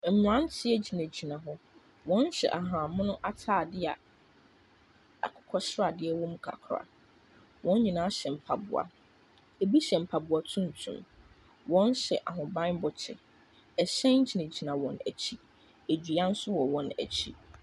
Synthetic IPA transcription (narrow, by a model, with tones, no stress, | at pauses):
mʊ˨ã˦n˦tʰɪ˦ɛ˦d͡ʑi˨nã˨d͡ʑi˨nã˨ɦʊ˦ | wɔ̃˦n˦ɕɛ̰˨ʔa˨ɦã˨mʊ̃˦nʊ̃˦ʔa˦tʰaː˦˨dɪ˦a̰˨ | a̰˨kʰʊ̥˨kʰɔ˦sɾa˨dɪ˦ɛ˦wɔ̃˦m̩˦kʰa̰˨kʰɾa̰˨ | wʔɔ̃˦n˦ɲĩ˨nãː˨˦ɕɛ˨m̩˨pʰa˨bʊ̰˨a̰˨ | e˨bi˦ɕɛ˨m̩˨pʰa˨bʊ˨a˨tʰũ˦n˨tʰṵ̃˨m | wɔ̃˦n˦ɕɛ̰˨ʔa˨ɦʊ̃˨bã˦bɔ˨t͡ɕʰɪ˨ | ɛ˨ɕɛ̃˦n˦d͡ʑi˨næ̃˨d͡ʑi˨nã˨wɔ̃˨næ̰˨t͡ɕʰi˦ | e˨d͡ʑᶣi˨a˦n̩˦sʊ˦wɔ˨wɔ̃˨næ̰˨t͡ɕʰi˦